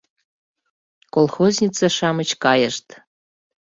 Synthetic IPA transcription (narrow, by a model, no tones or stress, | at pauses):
kolxozʲnʲit͡sɑʃɑmət͡ɕkɑjəʃt̪